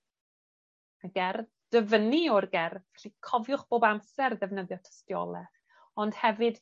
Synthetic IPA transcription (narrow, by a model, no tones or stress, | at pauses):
aɡɛr | d̥əvəniɔrɡɛrvɛɬikʰɔvjʊχb̥oːbamsɛrðɛvnəðjɔtʰə̥stjɔ̰lˠɛ | ɔnd̥hɛvɨd̥